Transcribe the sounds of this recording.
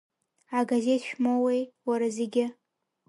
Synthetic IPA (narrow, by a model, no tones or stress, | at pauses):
aɡaze̞tʰʃᶣmawejwaɾazeɡʲɪ